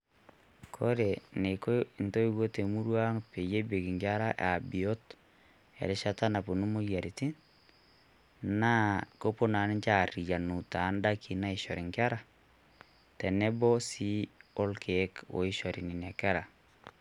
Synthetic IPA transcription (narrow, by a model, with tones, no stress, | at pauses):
kʰo˦ɾe˨ne˨ko˦˨nto˦i˦wo˦te˨mu˦ɾwa˦ŋpe˨je˦be˨ki˨ŋɡja˦ɾa˦ʔa˨bi˨o˦t | ɛ̰˨ɾɪ˨˦ʃa˦ta˦na˨po˨nu˦mo˦ja˨ɾi˨ti˦n | na˦ko˦po˦na˨ni˦ɲt͡ʃa˨ri˨ja˨nu˨ta˨˦nda˦ki˨na˦i˨ʃɔ˨ɾi˨ŋɡja˦ɾa˦˨ | tɛ˨nɛ˦bɔ˦si˦o˦lkʰe˦ko̰˨i˦ʃɔ˨ɾi˨ni˨na˨ka˦ɾa˨